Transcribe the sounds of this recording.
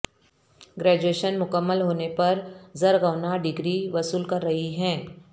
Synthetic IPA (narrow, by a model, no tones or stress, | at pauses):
ɡɾɛːd͡ʒueːʃənmʊkəmːəlɦoːnepɐɾzɐɾɣɐʋnaɖɪɡɾiʋɐsuːlkɐɾːɐɦiɦɛ̃ː